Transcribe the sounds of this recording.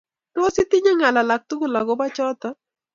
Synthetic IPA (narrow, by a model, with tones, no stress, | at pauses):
to˦si˦t̪ɪ˦ɲa˦ŋa˨la˨la˨k̚t̪u˦ku˦˨la˨ɡɔ˦ba˦t͡ʃɔ˦t̪ɔ˦